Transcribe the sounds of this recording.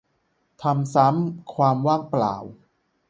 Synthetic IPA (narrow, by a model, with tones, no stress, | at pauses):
t̪ʰa˧msa˦˥mkʰwaː˧mwaː˥˩ŋpla̰ː˨˩w